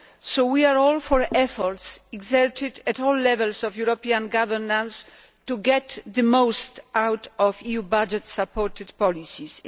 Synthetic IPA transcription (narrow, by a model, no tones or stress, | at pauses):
sowiaɹɔlfɔɹɛfɔɾtsiɡzɛɾtʰɪd̪ɛt̪ɔlːɛvɛlsɔvjuɾɔpiãnɡavɛɾnãns | tuɡɛt̪ðɨmowst̪ʔawtɔvijubad͡ʒɛt̪sapʰɔɾt̪ɨd̪pɔlisis